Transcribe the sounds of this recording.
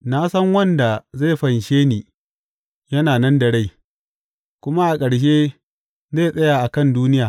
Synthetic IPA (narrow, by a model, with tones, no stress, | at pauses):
na˦sɐ˦ŋwɐ˦nda˨za˦˨ɸɐ˨nʃeː˦niː˨ | jɐ˦naː˨nɐ˦ndɐ˨ɽa˦˨j | kʷʊ˦ma˦ʔa˨kʼɐ˨ɽʃ̬eː˦ | ze˦˨sʼɐ˦jaː˨ʔa˨kɐ˦˨nduː˦nɪ˦jaː˨